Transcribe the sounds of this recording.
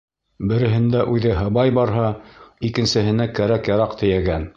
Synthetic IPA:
bɘ̆ɾɘ̆ɦɘ̆nd̪æʔʉðɘɦɤ̆bɑjbɑɾɦɑikɘ̆nsɘ̆ɦɘ̆nækæɾækjɑɾɑqt̪ɘ̆jæɡæn

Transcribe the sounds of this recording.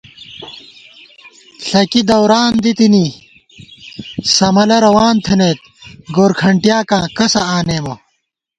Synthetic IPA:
ɬɐkid̪ɐwɾaːnd̪it̪ini | sɐmɐlɐɾɐwaːnt̪ʰenet̪̚ | ɡoːɾkʰɐɳʈjaːkãːkɐsɐaːneːmo

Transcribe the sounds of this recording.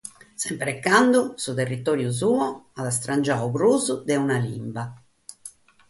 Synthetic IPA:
sɛmpɾɛkːand̪usut̪erːit̪ɔːɾjuz̬uːɔaðast̪ɾand͡ʒauβɾuzud̪ɛunalimba

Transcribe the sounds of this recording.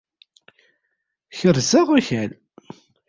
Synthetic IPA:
çəɾzəʁaçæl

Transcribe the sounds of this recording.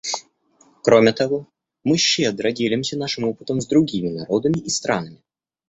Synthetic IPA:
kɾo̞mʲɪt̪ɐvo̞ | mɨɕːed̪ɾədʲelʲɪmsʲənaʂɨmopɨ̥t̪əmzd̪ɾʊɡʲimʲɪnɐɾo̞d̪əmʲɪʔist̪ɾanəmʲɪ

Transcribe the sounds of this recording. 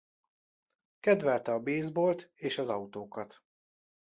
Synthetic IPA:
kɛd̪vɛlt̪ɛɒbeːzboːlt̪eːʃɒzɒut̪oːkɒt̪

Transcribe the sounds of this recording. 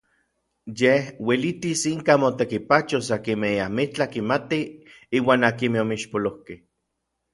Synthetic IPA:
jehwelit̪isiŋkamot̪ekipat͡ʃosakimeiamit͡ɬahkimat̪i | iːwaːnakimeomiʃpolohkeh

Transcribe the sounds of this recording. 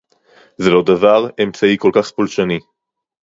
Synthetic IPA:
zelod̪avaʁe̞mt͡saiko̞lkaχpolʃani

